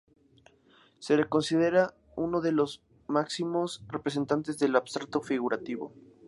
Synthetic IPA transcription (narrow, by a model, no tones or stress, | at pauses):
se̞leko̞nsiðe̞ɾa | uno̞ðe̞lo̞z | maksimo̞srepɾes̬e̞nt̪ant̪e̞zðe̞laβst̪ɾak̚t̪o̞fiɣ̞uɾat̪iβo̰